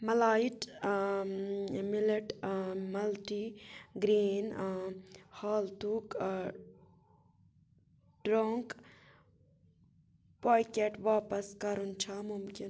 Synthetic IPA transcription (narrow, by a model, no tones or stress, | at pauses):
mɐlaːiʈ | mileʈmɐlʈiɡɾiːn | haːlt̪uːk | ɖɾoːŋk | poːjkeʈʋaːpɐskɐɾunt͡ʃʰamumkin